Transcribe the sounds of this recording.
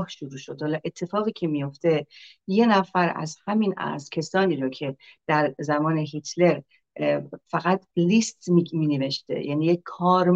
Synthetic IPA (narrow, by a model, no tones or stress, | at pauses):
hʃuɾuːʃod̪hɒlɒʔe̞t̪ʰːe̞fɒːɣiːcʰe̞mijo̞ft̪e̞ | je̞næfæɾæ̰zhæminæ̰zcʲʰesɒːniːɾocʰe̞d̪̥æɾzæmɒːne̞ɦit̪ʰle̞ɾ | fæɣæt̪ʰlist̪mimiːneve̞ʃt̪ḛjæniːjekkʰːɒːɾ